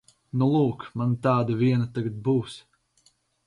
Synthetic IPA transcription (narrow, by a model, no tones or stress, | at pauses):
nulˠuːkmant̪aːd̪aviɛnat̪aɡat̪̚buːs